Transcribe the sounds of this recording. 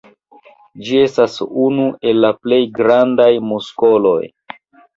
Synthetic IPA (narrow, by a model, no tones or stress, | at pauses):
d͡ʒie̞stasunuʔe̞lːaple̞jɡɾandajmusko̞lo̞̰j